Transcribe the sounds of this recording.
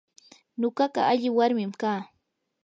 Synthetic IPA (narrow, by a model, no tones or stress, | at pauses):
noɢɑɢɑ̰aʎɪwaɾmɪmkaː